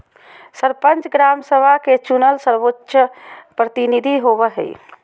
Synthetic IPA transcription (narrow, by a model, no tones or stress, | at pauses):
səɾpənt͡ʃɡɾamsəbʱaket͡ʃunəlsəɾʋotːʃəpɾət̪inid̪ʱiɦobəɦə̰j̰